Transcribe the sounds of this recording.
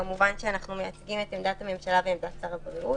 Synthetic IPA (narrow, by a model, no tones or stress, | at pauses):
muvanʃeanaχnumejat͡sɡimetemd̪athame̞mʃalaveemd̪att͡saʁaɡveu